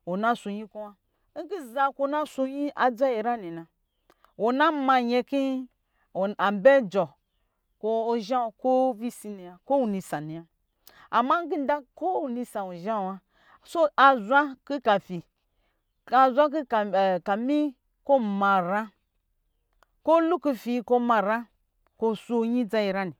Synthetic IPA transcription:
wo˨na˦so˧ɲi˦ko˦wa˦ | ŋ̩˦ɡi˦za˧ko˧˦˨na˦so˧ɲi˦ʔa˨d͡za˦i˨ɾa˦ni˨nã˨ | wo˨na˦ma˧ɲe˧ki˦˨ | a˨m˨be˦d͡ʒɔ˨ | ko˧o˨ʒa˦˨ko˦vi˦si˦ni˨ja˨ko˦wu˨ni˧sa˨ni˨ja˨ | a˨ma˦ŋ˦ɡi˦n˦da˦ko˦wu˨ni˧sa˨o˨ʒa˦˨wa˦ | so˦a˨zʷa˦ki˦ka˨fi˨ | a˨zʷa˦ki˦˨ka˨mi˦ | ko˦˨ma˨ɾa˦ | ko˦lu˦ku˦fi˨˦ko˦ma˧˨ɾa˦ | ko˦su˦ɲi˦d͡za˦i˨ɾa˦ni˨

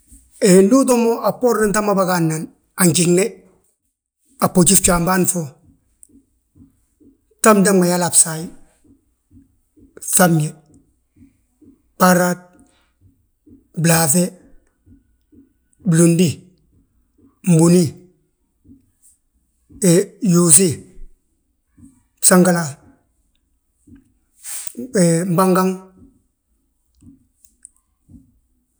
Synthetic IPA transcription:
endu˦tomoʔa˨po˦ɾnenta˦ma˦baɡanːan | a˨ɲt͡ʃiŋne˦ | a˨pːot͡ʃi˦ft͡ʃambanfo | tamda˦mmaja˦la˨psai | samje | paɾat̚ | blafe˦ | blo˨ndi˦ | m̩˨bu˨ni˦ | e˨jo˨s̬i˦˨ | sa˦ŋɡa˦la˨ | e˨m̩˨ba˦ŋɡa˦ŋ

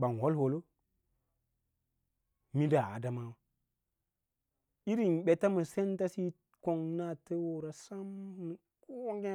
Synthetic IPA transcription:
ɓa˨n˨ho˦lho˨lo˦ | mi˦da˨a̰˨da˨ma˦wa˦ | i˦ɾi˨nɓe˨ta˦ma˨se˦nta˦si˦ | ko˨ŋna˦te˦wo˨ɾa˨sa˦mn˨ | ko˦wo˦ŋɡe˦

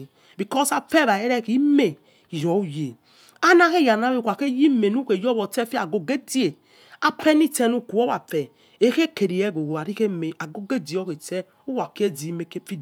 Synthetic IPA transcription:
bi˨kɔ˦sa˨fɛ˦˨βa˨e˦ɾɛ˦˨ki˨˦me˨ | jɔ˨˦u˦je˨ | a˦na˦ke˦˨ja˨na˦li˦˨kʷa˨ke˦ji˦me˨nu˦ke˨jɔ˦bɔ˨tɛ˦fi˦a˨ɡo˨ɡe˦di˦e˨ | a˨pɛ˦ni˦tɛ˦nu˦ku˨ɔ˦wa˨fɛ˨ | e˨˦ke˦ke˨ɾi˨jɛ˦ɡo˨ɡo˨a˨ɾi˦ke˦me˨a˨ɡo˦ɡe˦di˨ɔ˦ke˨tɛ˦ | u˦wa˨ki˦e˦di˨i˦me˨ke˦fi˦

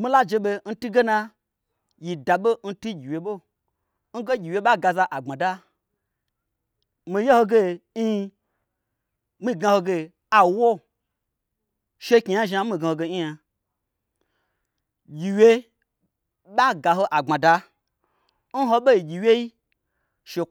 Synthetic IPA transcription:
mi˦la˦d͡ʒe˧ɓe˧n̩˦tu˦ɡe˦na˧ | ji˨da˨ɓo˦n̩˦tu˦ɡʲi˨wje˨ɓo˦ | n̩˦ɡe˦ɡʲi˨we˦ɓa˦ɡa˧˨za˧ʔa˨ŋ͡mã˨da˦ | mi˧je˦ho˧ɡe˧˦˧ | mi˧˨ɡã˧ho˧ɡe˧ | a˨wo˦ | ʃe˧ki˨ja˦ʒa˧˦mi˧˨ɡa˧ho˧ɡe˧ɲi˦ja˧ | ɡʲi˨wʲe˧ | ɓa˦ɡa˨ɦo˧ʔa˨ɡ͡bã˨da˧ | n̩˦ɦo˧ɓo˦ji˨ɡʲi˨we˦i˦ | ʃe˧

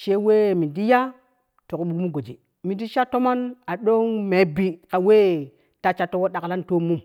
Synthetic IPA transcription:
ʃe˦we˦˨mi˨di˦ja˦ | to˨kɓu˨kmu˦ɡo˨d͡ʒi˨ | mi˨di˦ʃa˦to˦ma˦na˨ɗo˦ŋme˨˦bi˨ka˨we˦˨ | ta˨t͡ʃa˨tːo˦wo˦ɗa˨kla˦nto˦mu˦m

